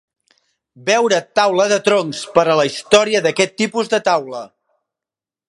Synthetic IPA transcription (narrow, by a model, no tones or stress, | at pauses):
bɛwɾət̪awləðət̪ɾoŋspəɾələist̪ɔɾiəðəkɛt̪ːipuzðət̪awlə